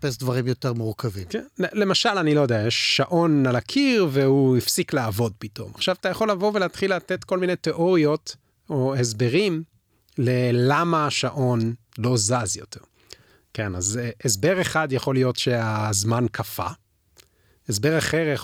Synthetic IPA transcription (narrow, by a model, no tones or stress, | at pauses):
pesdvaʁimjo̞teʁmuʁkavimkenle̞maʃalanilo̞jod̪eajeʃːaʔo̞nalakʰiʁveuifsiklaːvo̞d̚pito̞̰maχʃavat̪ajaχo̞lːavo̞veleːt̪χilat̪etko̞lmine̞jteʔo̞ʁio̞t | o̞esbe̞ʁim | le̞lamaːʃaʔo̞nlo̞zazjo̞teʁ | ke̞na̰zesbe̞ʁeχadjaχo̞lijo̞tʃeazmankʰafa̰ | esbe̞ʁaχeʁa